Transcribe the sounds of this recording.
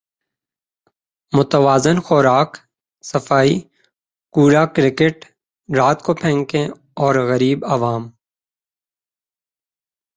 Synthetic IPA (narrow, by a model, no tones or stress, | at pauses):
mʊt̪əʋaːzɪnxɔɾaːk | sɐfaːi | kuːɾakɾɪkeʈ | ɾaːt̪kopʰɛ̃ːŋkẽ | ɔːɾɣɐɾiːbɐʋaːm